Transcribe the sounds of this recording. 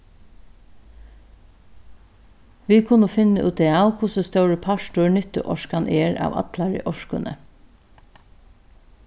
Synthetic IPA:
ʋiːkʰʊnəfɪnəʔʉːt̪eaːwkʰʊsəst̪œwɹəpʰɑʃtʊɹɳʏt̪ə̰ʔɔʃkanʔɛːɹɑ̰ːʋɑ̰t̪lɑɹə̰ʔɔʃkʊ̰nʔə̰

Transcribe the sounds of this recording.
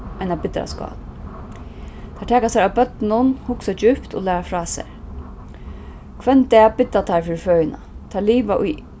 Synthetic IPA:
ajnabɪt̪ɾa̰skɑ̰ːl | t̪ʰaʈʰɛːkasaɾabœt̪nʊnhʊksad͡ʒʏpt̪o̰lɛːɾafɾɑːsɛ̰ɹ | kʰvɛnt̪ɛːbɪt̪ːat̪ʰaɾfɪːɾɪfœːjɪna̰t̪ʰaːliːʋaʔʊ̰j

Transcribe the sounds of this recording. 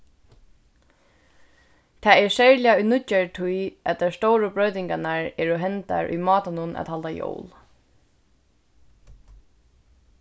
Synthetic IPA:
t̪ʰaːɛsɛɹlɪaʊjnʊt͡ɕːaɹt̪ʰujæt̪t̪aɹst̪owɾəbɹœɥt̪ɪŋkanaɹɛːɹɔɦɛnt̪a̰ɹʔʊ̰jmɑːt̪anʊnʔa̰t̪halt̪ajo̰wl

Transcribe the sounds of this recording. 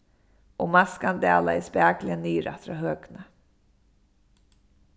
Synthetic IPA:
ɔɣmaskand̪ɛ̰ːla̰ɛspæːklɪaniːɾa̰t̪ɾaɦœːkna

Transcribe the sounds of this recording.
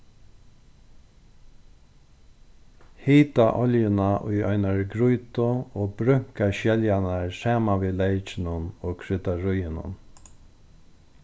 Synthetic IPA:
hiːt̪aʔɔljɪnaʔʊ̰jɔ̰ʏnaɹɡɾujt̪ʊoːbɾʏŋ̥kaʃɛljanaɹsaːmaʋiːlejt͡ʃɪnʊnoːkʰɾʏt̪aɹʊjɪnʊ̰n

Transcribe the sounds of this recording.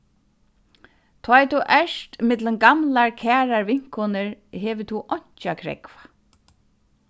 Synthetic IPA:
t̪ʰɔːɛt̪ʰuʔɛʂt̪mɪt̪lɪnɡamlaɹkʰæːɹaɹʋɪŋ̥kʰɔnɪɹɦɛːʋɪt̪ʰuʔɔɲ̥t͡ʃakʰɾɛ̰kvḁ

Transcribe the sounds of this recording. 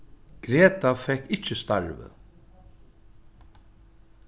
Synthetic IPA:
ɡ̥ɾeːt̪afɛhkːɪcːɪst̪aɹvɪ̰

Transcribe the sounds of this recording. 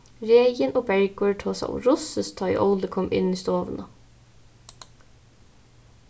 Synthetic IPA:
ɹeːjənʔoːbɛɹɡʊɹʈʰoːsæ̰ɪʊ̰ɹʊsəst̪ʰːɑːḭʔɔ̰ʊləkʰɔmʔɪ̰niːst̪oːʋə̰nə

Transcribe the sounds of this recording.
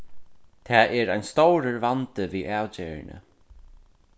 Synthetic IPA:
t̪ʰɛːʔɛɾajnst̪owɾəɹvant̪əviːʔæːwt͡ɕeːɹɪ̰nə̰

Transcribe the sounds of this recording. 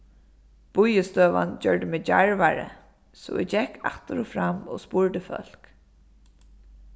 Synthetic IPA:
b̥ʊjəst̪œːʋa̰nd͡ʒœɹɖəmeːd͡ʑaɹʋaɹə̰ | sɔ̰ɛd͡ʑɛkːʰaht̪əɾɔfɾamo̰spʊɹd̪əfœ̰l̥k

